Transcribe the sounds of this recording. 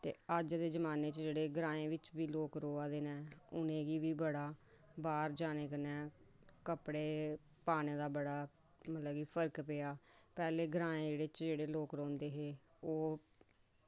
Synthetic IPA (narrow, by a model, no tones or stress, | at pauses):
t̪ḛːəd͡ʒd̪eːd͡ʒəmaːneːt͡ʃd͡ʒeːɽeːɡɾãːẽːʋɪt͡ʃbiːloːkɾoːaːd̪eːnɛːʊnẽːɡiːʋiːbəɽaː | baːɾd͡ʒaːneːkənɛ̃ː | kəpɽeː | paːneːd̪aːbəɽaː | mət̪ləbɡiːpʰəɾkpeaːpɛːleːɡɾãːẽːd͡ʒeːɽeːt͡ʃd͡ʒeːɽeːloːkɾõːnd̪eːɦeːoː